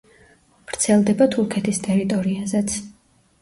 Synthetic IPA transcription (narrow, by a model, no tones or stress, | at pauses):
v̥ɾt̪sʰɛlˠd̪ɛbat̪ʰuɾkʰɛt̪ʰist̪ʼɛɾit̪ʼɔɾiazɛt̪sʰ